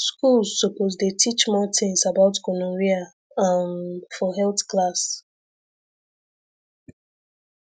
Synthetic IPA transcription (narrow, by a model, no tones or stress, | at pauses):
skulzːopozdetʰit͡ʃmɔtʰĩnsabaʊtkɔnɔ̃ɹia | ãnfɔɦɛltklas